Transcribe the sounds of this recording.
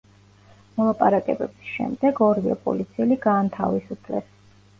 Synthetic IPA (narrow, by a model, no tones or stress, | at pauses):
mɔlˠapʼa̰ɾakʼɛbɛbisʃɛ̰md̪ɛɡɔɾia̰pʼɔ̰lit̪sʰiɛliɡaːnt̪ʰa̰visupʰlɛs